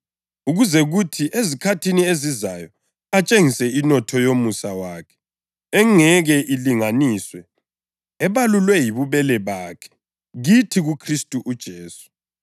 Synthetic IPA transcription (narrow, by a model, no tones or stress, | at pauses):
uɣuzɛɣutʰiʔezikʰatʰiniezizajɔ | at͡ʃʼeŋisɛinɔtʰɔjomusawaːkʰɛ̥ | ɛŋɛɣɛʔiliŋaniːswɛː | βalulwɛjiβuβɛlɛβaːkʰɛ̥ | ɣitʰiɣukʰristʼuʔud̥ʒ̥ʱeːsu̥